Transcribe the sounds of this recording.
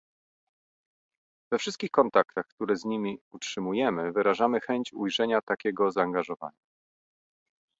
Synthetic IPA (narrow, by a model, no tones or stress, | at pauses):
vɛfʂɘst̪kʲixkɔnt̪akt̪axkt̪uɾɛzɲimʲiutʂɘmujɛmɘvɘɾaʐamɘxɛɲt͡ɕujʐɛɲat̪akʲɛɡɔzaːŋɡaʐɔva̰ɲa